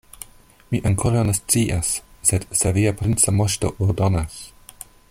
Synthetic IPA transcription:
miʔaŋkʰoɾawnest͡siʔasːedseviapɾint͡samoʃto̰ʔoɾdonas

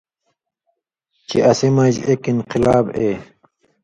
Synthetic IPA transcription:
t͡ɕiʔɐsimɐd͡ʑekinqilaːbe

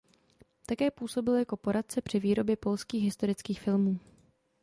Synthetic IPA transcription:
t̪akɛːpuːso̞bɪljako̞po̞ɾat̪̚t͡sɛpr̝̥ɪviːɾo̞bjɛpo̞lskiːɣɦɪst̪o̞ɾɪt͡skiːxfɪlmuː

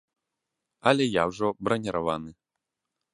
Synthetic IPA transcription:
ɐlʲɛjawʐɔbɾɐnʲɛɾʔavanɨ

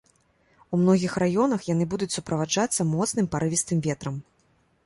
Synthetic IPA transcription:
umnɔɣʲixrajɔnɐxjan̪ɨbud̪ut͡sʲsupɾɐvad͡ʐat̪sːɐmɔt̪sn̪ɨmpaɾɨvʲist̪ɨmvʲɛt̪ɾɐm

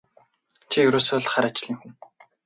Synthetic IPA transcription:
t͡ɕʰijɵɾoːseːɮ̆χaːɾat͡ɕɪ̆ɮiːŋxuŋ

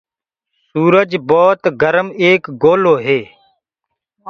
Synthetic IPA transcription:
suːɾəd͡ʒboːt̪ɡəɾəmeːkɡoːloːɦeː

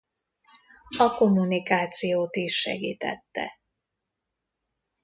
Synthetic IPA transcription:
ɒko̞mːunikaːt̪sijoːt̪iʃʃːɛ̰ɡḭːt̪ɛ̰t̪ːɛ̰

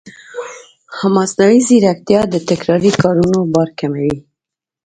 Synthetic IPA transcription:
hamɑsnawiziɾak̚t̪jɑd̪ət̪akɾɑɾikɑɾunobɑɾkamawi

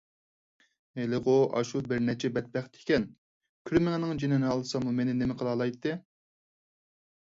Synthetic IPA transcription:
elɪʁoʔɑ̰ʃubɪɾnɛt͡ʃʰɛbɛt̪̚bɛχt̪ʰɪ̥kʲɛn | kʲʰyɾmɪŋnɪŋd͡ʒenɪnɨɑlˠɨsɑmumenɪnemɪqʰəlˠɑlˠɑjt̪ʰːɨ

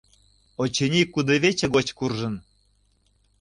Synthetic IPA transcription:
ot͡ɕenʲikːud̪ɤβet͡ɕĕɣot͡ɕkurʒə̆n

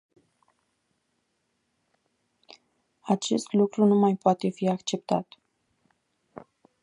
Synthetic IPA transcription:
at͡ʃe̞st̪lukɾunumajpoat̪e̞fiakt͡ʃe̞p̚t̪a̰t̪

